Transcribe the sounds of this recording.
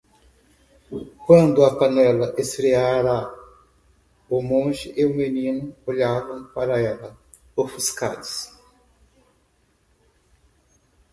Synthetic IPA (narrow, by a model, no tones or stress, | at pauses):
kwɐ̃nd̪ʊɐpanɛlɐʔesɾeaɾa | ʊmõʒɪʔeʊmenĩnʊoʎavɐ̃w̃paɾɐɛlɐ | ofuska̰d̪ʊs